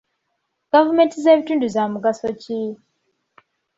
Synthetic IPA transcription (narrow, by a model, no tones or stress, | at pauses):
ɡ̥avume̞ntize̞ːβituːnduzamuɡasoci